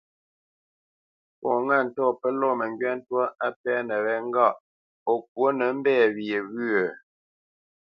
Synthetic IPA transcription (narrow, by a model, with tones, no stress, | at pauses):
pɔ˨ŋa˦˨n̩˨tɔ˦˨pə˦lɔ˦˨mə˨ŋɡɥɛ˦n̩˦twɔ˦ʔa˦pɛ˦nə˨ɣɛ˦ŋ˦ɡa˦˨ʔ | o˨k̚wo˦nə˨˦m̩˦bɛː˦˨βje˨βʉ˦ə˨